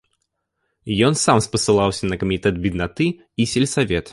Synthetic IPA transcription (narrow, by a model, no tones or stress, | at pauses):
jɔnsamspɐsɨlˠawsʲɐnɐkɐmʲit̪ɛd̪̚bʲid̪nat̪ɨ | isʲɛlʲsavʲɛt̪